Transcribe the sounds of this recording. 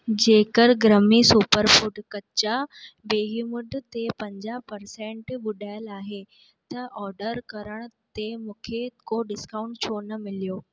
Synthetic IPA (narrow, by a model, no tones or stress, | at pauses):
d͡ʑeːkəɾɡɾəmisuːpəɾfuːʈkɐt͡ɕabeːɦimʊɖt̪epɐ̃ɲd͡ʑaːɦpɐɾsẽːɳʈʋʊɗaːɪəlaːɦe | t̪ɐʔɔːɾɖəɾkɐɾəɽ̃t̪emũːkʰekoɖɪskãːʊ̃ɳʈt͡ɕʰoːnɐmɪlijoː